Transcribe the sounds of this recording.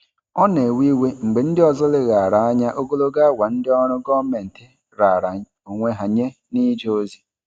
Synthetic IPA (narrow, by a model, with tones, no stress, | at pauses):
ɔ˦ne˨wi˦we˦ŋ͡m̩˨ɡ͡be˨n̩˦dɪ˦ɔ˨zɔ˦lɪ˦ɣa˨ɾa˨a˦ɲa˦ʔo˦ɡo˦lo˦ɡa˦wʷa˨n̩˦dɪ˦ɔ˦ɾʊ˦ɡɔ˦me˨n̩˨tɪ˨ | ɾa˨ɾa˨ | o˨ŋʷe˦ɦa˨ɲe˦ | ni˦d͡ʒo˦zi˨